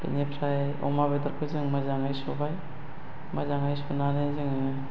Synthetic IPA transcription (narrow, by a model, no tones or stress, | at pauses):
ḛnepʰɾaj | ɔ̰maβedaɾkʰɯzɯŋmazaŋajsobaj | mazaŋajsonanɯjzɯŋ